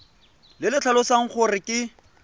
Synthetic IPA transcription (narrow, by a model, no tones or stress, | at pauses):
lɪlɪt͡ɬʰalʊsaŋ̩χʰʊrɪkʼɪ